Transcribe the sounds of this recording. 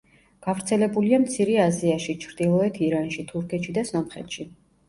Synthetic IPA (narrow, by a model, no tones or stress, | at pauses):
ɡ̥avɾt̪sʰɛlɛbuliamt̪sʰiɾɛaziaʃit͡ʃʰɾd̪̥ilˠɔɛt̪ʰiɾanʃit̪ʰuɾkʰɛt̪ʃid̪asɔmχɛ̰t̪ʃi